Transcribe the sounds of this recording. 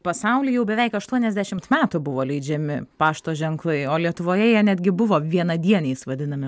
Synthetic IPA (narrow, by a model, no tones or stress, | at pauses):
pɐsɐʊlʲiːjɛʊbʲɛʋʲɛɪkɐʃt̪uɔnʲɛzʲd̪ʲæʃʲɪmt̪mʲæːt̪ʊbʊʋoːlʲɛɪd͡ʒʲɛmʲɪpɑːʃt̪oːʒʲɛŋklˠɐɪoːlʲiɛt̪ʊʋoːjɛjiɛnʲæd̪ʲɡʲɪbʊʋoːʋʲiɛnɐd̪ʲiɛnʲeɪsʋɐd̪ʲɪnɐmʲɪ